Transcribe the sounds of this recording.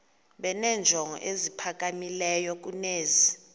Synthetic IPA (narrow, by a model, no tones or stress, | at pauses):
ɓɛnɛːnd͡ʒʱɔŋɔ̰ʔezipʰak̬ʼamilɛjɔk̬uneːzi